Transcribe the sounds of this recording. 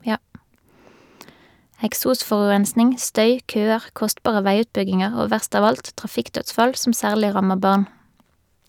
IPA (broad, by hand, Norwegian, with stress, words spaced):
ɛkˈsuːˌsfɔʁʉʁɛnsnɪŋ ˈstœʏ ˈkøːəʁ ˈkɔstpɑːʁə ˈʋæɪˌʉːtpʏɡɪŋəʁ ˈoː ˈʋæʁst ˈɑːʋ ˈɑlt tʁɑˈfɪkˌtœtsfɑl ˈsɔm ˈsæːʁlɪ ˈʁɑməʁ ˈbɑːʁn